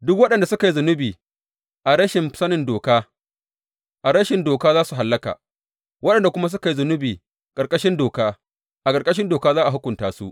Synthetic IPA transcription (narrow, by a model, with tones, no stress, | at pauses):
dʊ˦k̚wɐ˦ɗɐ˨nda˨sʊ˦ka˨ji˦zʊ˨nʊ˦biː˨ | ʔa˨ɾɐ˦ʃɪ˨msɐ˦nɪ˨ndoː˨kaː˦ | ʔa˨ɾɐ˦ʃɪ˨ndoː˨kaː˦zaː˦su˨ɦa˨lːɐ˦ka̰ː˨ | wɐ˦ɗɐ˨nda˨kʷʊ˦ma˦s̬ʊ˦ka˨ji˦zʊ˨nʊ˦biː˨ | kʼɐ˨ɾkʼɐ˦ʃɪ˦ndoː˨kaː˦ | ʔa˨kʼɐ˨ɾkʼɐ˦ʃ̬ɪ˦ndoː˨kaː˦zaː˦ʔa˨ɦʊ˦kʷʊ˨ntaː˦sṵ˦ʔ